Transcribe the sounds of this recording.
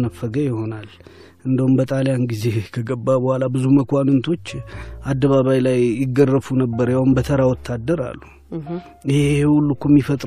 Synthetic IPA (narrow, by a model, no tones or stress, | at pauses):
nəfːəɡəjɪho̞nal | ʔɨnd̪əhumbət̪ʼaljanɡize̞kʰəɡəbːabəhʷalabɨzuməkʰʷanɨnt̪ʰo̞t͡ʃːʔad̪ːəβaβajlajːɪɡːərːəfunəbːəɾjahunbət̪ʰəɾawɔt̪ʰːad̪ːəɾa̰lːu | iheehulːukʰumːifət̪ʼ